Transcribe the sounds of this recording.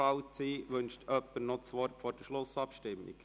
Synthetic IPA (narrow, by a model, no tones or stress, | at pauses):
ɑʊt͡siːʋɵnʃtʰœpːənɔtt͡sʋɔrtfɔːrd̥əʃlʊsɑpʃtɪmɪ̰k